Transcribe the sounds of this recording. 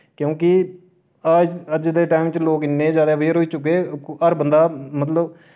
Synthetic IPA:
kjõːkɪ | ad͡ʒəd͡ʒd̪eːʈaːɪmɪt͡ʃloːkɪnːeːd͡ʒaːd̪aːʋeːɾɦoːiːt͡ʃʊkːeːəɾbənd̪aːmət̪̬ləb

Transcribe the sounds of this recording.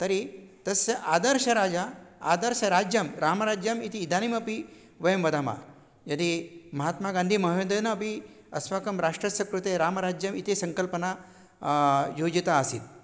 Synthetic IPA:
t̪ɐɾit̪ɐseʔaːd̪əɾʃɐɾaːd͡ʒaa̰d̪əɾʃɐɾad͡ʒjɐmɾaːmɾad͡ʒjɐmit̪iːd̪ʱanimɐpi | ʋɐjɐmʋɐd̪ʱama̰ | jɐd̪imɐɦat̪maɡãnd̪ʱimɐɦʋend̪ənɐːpi | ɐsʋakɐmɾaʂʈɾɐsɐkɾut̪eɾaːmɐɾad͡ʒjɐmit̪esɐŋkəlpəna | jod͡ʒit̪aɐsḭt̪

